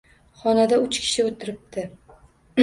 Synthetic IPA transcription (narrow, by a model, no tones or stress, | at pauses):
χɒnad̪aʊt͡ʃkʲʰɪ̥ʃɪot̪ʰɪɾɪp̚d̪ɪ